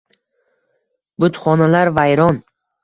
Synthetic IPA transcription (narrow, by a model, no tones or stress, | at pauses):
bʊt̪χɒnalaɾvajɾɒn